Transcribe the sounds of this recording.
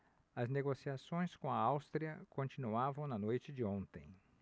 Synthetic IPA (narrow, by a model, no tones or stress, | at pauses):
ɐzneɡosiasõj̃skõɐawst̪ɾiɐkõnt͡ʃinuavɐ̃w̃nɐnojt͡ʃɪd͡ʒɪõnt̪ẽj̃